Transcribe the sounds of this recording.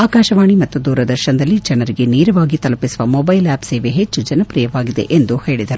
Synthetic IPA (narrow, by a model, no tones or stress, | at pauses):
aːkaːʃɐʋaːɳimɐt̪ːud̪uːɾɐd̪ɐɾʃɐnɐd̪ɐlːid͡ʒɐnɐɾiɡe̞niːɾɐʋaːɡit̪ɐlɐpisuʋɐmoːbɐjlaːbseːʋeɦet͡ʃːud͡ʒɐnɐpɾijɐʋaːɡid̪e̞̰ʔend̪uhe̞ːɭid̪ɐɾu